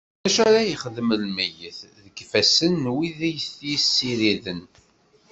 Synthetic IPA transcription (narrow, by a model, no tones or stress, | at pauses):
æʃæɾajəχəðəmlmæjəθðəɡfæsənwiðæjəstjəsːiɾiðən